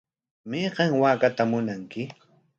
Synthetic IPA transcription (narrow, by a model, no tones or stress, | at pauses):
meːɢɑŋwaːkat̪amʊnaŋkɪ